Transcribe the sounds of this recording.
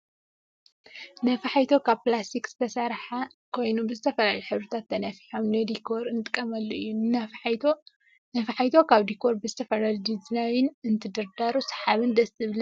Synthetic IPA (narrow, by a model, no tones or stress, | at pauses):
nɐfɐħajt̪ʰo̞kʰaβplast̪ʰikz̥ɨ̥t̪ʰɐsɐɾħakʰo̞jnubɨzɨt̪ʰɐfɐlaluħɨβɾɨt̪ʰat̪ːɐnɐfiħomnɐd̪ikʰo̞ɾɨnt̪ʼɨ̥kʼːɐmɐlːoʔɨjːunɨnɐfħjt̪ʰo | nɐfɐħajt̪ʰo̞kʰaβd̪ikʰo̞ɾbɨzɨt̪ʰɐfɐlalud̪iznajɪnɨnt̪ʰɨd̪ɐɾd̪aɾusɐ̥ħaβɨnd̪ɐsʼɨβlɐ